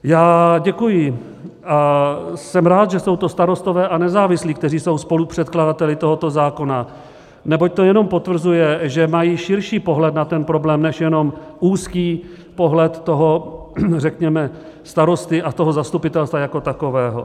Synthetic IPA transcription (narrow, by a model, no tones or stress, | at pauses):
jaːɟɛkujɪ | ʔasɛmɾaːt̪ʒɛso̞wt̪o̞st̪aɾo̞st̪o̞vɛːʔanɛzaːvɪsliːkt̪ɛriːso̞wspo̞lupr̝̥ɛt̪kladat̪ɛlɪt̪oɦo̞t̪o̞zaːko̞na | nɛbo̞c̚t̪o̞jɛno̞mpo̞t̪vr̩zujɛʒɛmajiːʃɪɾʃiːpo̞ɦlɛt̪nat̪ɛnpɾo̞blɛːmnɛʃjɛno̞mʔuːskiː | po̞ɦlɛt̪ːo̞ɦo̞rɛkɲɛmɛ | st̪aɾo̞st̪ɪʔat̪oɦo̞zast̪upɪt̪ɛlst̪vajako̞t̪ako̞vɛːɦo̞̰